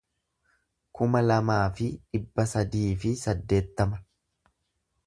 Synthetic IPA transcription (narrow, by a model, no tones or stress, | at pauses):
kʊmɐlɐmaːfɪᶑɪbːɐsɐd̪iːfɪsɐd̪ːe̞ːt̪ːɐmɐ